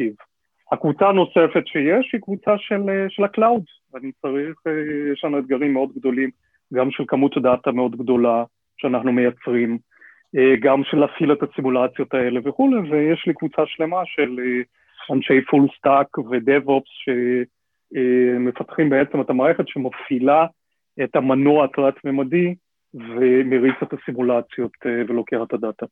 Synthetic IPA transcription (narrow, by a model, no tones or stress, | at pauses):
iv | hakvut͡saːno̞se̞fe̞tʃejeʃhikvut͡saʃe̞leʃe̞laklawd | anit͡saʁiχejeʃlanued̪̚ɡaʁimːeo̞d̪ɡd̪o̞lim | ɡamʃelkamut̪dat̪ameo̞d̪ɡdo̞la | ʃeanaχnume̞jat͡sʁim | eɡamʃelafilet̪asimulat͡sjo̞t̪ae̞le̞veχulevejeʃlikvut͡saʃle̞maʃe̞le | anʃejfulst̪akve̞d̪evopsʃe̞ | me̞fat̪χimbe̞et͡semetamaːʁeχe̞tʃemafila | etamanoatʁatmemadi | ve̞meʁit͡set̪asimulat͡sjo̞t̪evelo̞keχat̪hadata